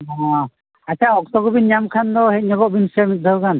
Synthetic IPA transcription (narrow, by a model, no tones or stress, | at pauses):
ɔ | atʰaɔk̚t̪ɔɡɔbinjamkʰandɔhɛc̚ɲɔɡɔʔbinsɛmit̪̚d̪ʱɔwkan